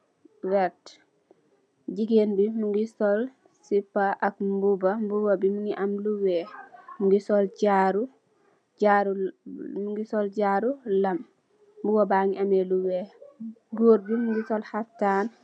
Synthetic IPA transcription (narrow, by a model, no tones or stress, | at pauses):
wɛt | d͡ʒiɡenbimuŋɡisɔl | sipːaʔakmbubambubabimuŋɡiʔamluwɛmuŋɡisɔld͡ʒaɾu | d͡ʒaɾumuŋɡisɔld͡ʒaɾulamː | buwabaŋiʔamɛluwɛ | ɡoɾdimuŋɡisɔlhaftan